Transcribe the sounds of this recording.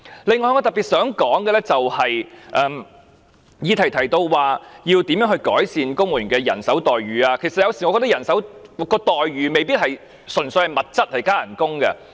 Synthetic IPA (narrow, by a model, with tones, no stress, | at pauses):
le˨˧ŋːɔː˧jŋɔː˧t̪ɐ˨˩piː˨t̚sœː˨˥ŋkɔː˨˥ŋkɛ˧lɛ˥t͡sɐ˨whɐ˨jʔɛː˨˩m | jiː˨˧t̪ʰɐ˨˩jt̪ʰɐ˨˩jt̪o˧wwaː˨jiː˧wt̪iː˨˥mjœː˥ŋhɵ˧ɥkɔː˨˥jsiː˨nkʊ˥ŋmuː˨˩y˨˩kɛː˧jɐ̰˨˩nsɐ˨˥wt̪ɔː˨jɥyː˨˩aː˧kʰe˨˩jsɐt̚jɐ˨˧wsiː˨˩ŋɔ˨˧kːɔ˧t̪̬ɐ˥jɐ˨˩nsɐ˨˥wkɔː˧t̪ɔː˨jɥyː˨me˨˧jpi˥t̚hɐ˨j | sɵ˨˩nsɵ˧jhɐ˨jmɐ˨t̚t͡sɐ˥t̚hɐ˨jkaː˥jɐ˨˩nkʊ˥ŋkɐ̰˧